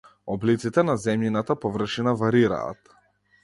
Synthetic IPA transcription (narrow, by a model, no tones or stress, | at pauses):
ɔblit̪sit̪ɛnazɛmjinat̪apɔvr̩ʃinavaɾiɾa̰ːt̪